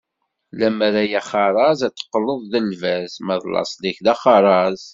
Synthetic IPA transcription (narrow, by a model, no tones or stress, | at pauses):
læməɾæjæχɑɾˤɑzæt͡sːə̥qːələðˤðəlvæzmæðlɑ̰sˤliçðæχɑɾˤɑz